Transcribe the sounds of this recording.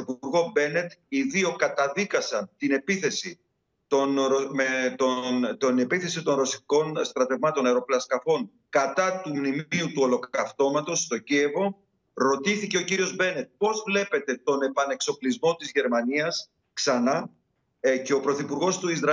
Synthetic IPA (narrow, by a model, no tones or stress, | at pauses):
ipuuɾɣo̞be̞ne̞t̪iðio̞kɐt̪ɐðikɐsɐnt̪ine̞piθe̞si | t̪onɾomet̪ont̪one̞piθe̞sit̪o̞nɾo̞siko̞nst̪ɾɐt̪e̞vmɐt̪o̞nɐjɾo̞plɐskɐfo̞ŋ | kɐt̪ɐt̪umnimiut̪uo̞lo̞kɐft̪o̞mɐt̪o̞st̪o̞ɟie̞vo̞ | ɾo̞t̪iθice̞ociɾio̞zbe̞ne̞t̪̚po̞zvle̞pe̞t̪e̞t̪o̞ne̞pɐne̞kso̞plizmo̞t̪izʝe̞ɾmɐniɐs | ksɐnɐ | ce̞o̞pɾo̞θipuɾɣo̞st̪uizɾɐ